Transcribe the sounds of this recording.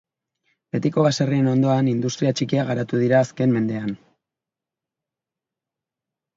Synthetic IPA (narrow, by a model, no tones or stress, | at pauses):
be̞t̪iko̞βasarie̞no̞nd̪o̞anind̪ust̪ɾiat͡ʃikiaɣaɾat̪uðiɾaːske̞mme̞nd̪e̞an